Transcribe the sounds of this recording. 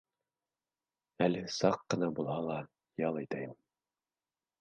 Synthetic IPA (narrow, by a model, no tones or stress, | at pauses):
ælɘsɑqːɤ̆nɑbulˠhɑlˠɑ | jɑlˠæjt̪æjɘm